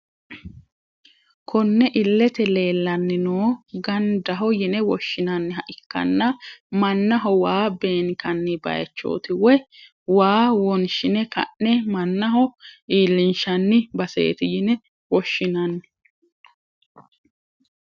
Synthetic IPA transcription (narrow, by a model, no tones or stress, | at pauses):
kʰɔnːɛʔɪlːɛt̪ɛle̞ːlːɐnːɪnoːɡɐnd̪ɐɦɔjɪnɛwɔʃːɪnɐnːɪhɐʔɪkːɐ̰nːɐmɐnːɐɦɔwaːbe̞ːŋkɐnːɪbɐ̰jɛ̰t͡ʃːo̰ːt̪ɪwɛ | waːwɔnʃɪnɛkɐ̰ʔːɛmɐnːɐɦɔʔiːlːɪnʃɐnːɪbɐsḛːt̪ɪjɪnɛ | wɔʃːɪnɐnːɪ